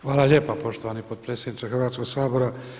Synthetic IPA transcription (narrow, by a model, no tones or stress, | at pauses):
xʋaːlaleːpapo̞ʃt̪oʋaːnipod̪̚pɾe̞ːsʲed̪nitsexrɾʋaːt̪skoɡsaːboɾa